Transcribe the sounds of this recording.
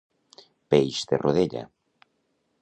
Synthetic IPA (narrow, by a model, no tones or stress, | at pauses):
pejʃt̪erʔoðeʎa̰